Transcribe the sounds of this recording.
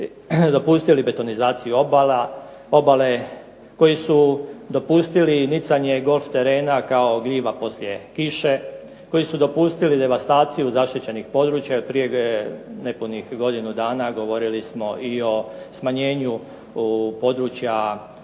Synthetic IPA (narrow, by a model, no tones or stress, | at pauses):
d̪o̞puːst̪ilibe̞t̪o̞nizaːt̪sijuo̞bala | o̞bale̞ | ko̞jisud̪o̞puːst̪ilinit̪saɲe̞ɡo̞lˠft̪e̞ɾe̞ːnakao̞ɡliːʋapo̞slʲje̞kiʃe̞ | ko̞jisud̪o̞puːst̪ilid̪e̞ʋast̪aːt̪sijuzaʃt̪it͡ɕe̞nixpo̞d̪ɾuːt͡ɕjaopɾije̞ne̞punixɡo̞d̪inud̪aːnaɡo̞ʋo̞ɾilismo̞ʔio̞ | smaɲe̞ːɲu | po̞d̪ɾut͡ɕja